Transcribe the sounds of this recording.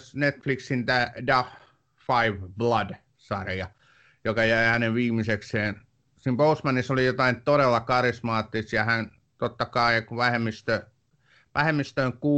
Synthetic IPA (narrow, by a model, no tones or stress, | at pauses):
snet̪fliksint̪æːdɑf | fɑiʋblɑd | sɑrjɑ | jokɑjæihæneʋʋiːmisekseːn | siːmpousmænisolijot̪ɑint̪oɾelːɑkɑrismɑːt̪ːist̪jɑhæn | t̪ot̪ːɑkɑikuʋæhemːist̪ø | ʋʔæhemːist̪øːŋkuː